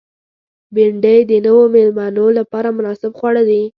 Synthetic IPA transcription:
bɪɳɖəjd̪ənəwomɪlmɑnolapɑɾamʊnɑsɪbxwaɽad̪i

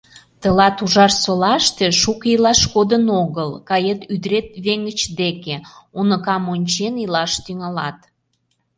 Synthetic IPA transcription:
t̪əlɑt̪uʒɑrsolɑʃt̪eʃukilɑʃkod̪ənoɣəlkɑjet̪yd̪ɾet̪̚βeŋɡət͡ɕd̪ekeunəkɑmonʲt͡ɕenilɑʃt̪yŋɑlɑt̪

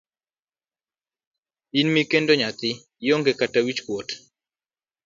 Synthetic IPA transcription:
inmikendoɲat̪ɪ | joŋɡekatawit͡ʃkwot

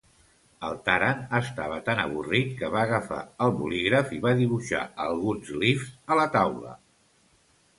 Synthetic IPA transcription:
əlˠt̪aɾanəst̪aβ̞ət̪anəβ̞urit̪̚kəβaːɣəfa̰əlˠβṵliɣɾəfiβaðiβ̞uʃa̰əlˠɣunzlifzələt̪awlə̰

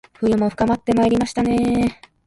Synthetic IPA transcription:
ɸɯ̟jɯmo̞ɸɯ̟̥kamat̪ːe̞maeɾʲimaɕi̥t̪ane̞

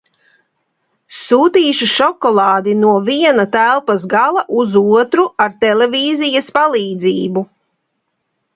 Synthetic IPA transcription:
suːt̪iːʃuʃɔkɔlˠɑːd̪inuɔviɛnat̪ælˠpasɡalˠaʔuzuɔt̪ɾuaɾt̪ɛleviːzijaspalˠiːd̪ziːbu

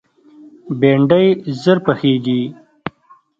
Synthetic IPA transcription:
beːɳɖəjzəɾpəxeːɡi

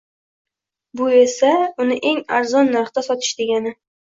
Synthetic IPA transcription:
bʊe̞saʊnɪʔe̞ŋaɾzɒnːaɾχt̪asɒt̪ʰɪ̥ʃd̪e̞ɡʲanɪ

